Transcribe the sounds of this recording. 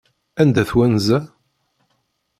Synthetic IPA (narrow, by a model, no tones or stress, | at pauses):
ænd̪æθwænzæ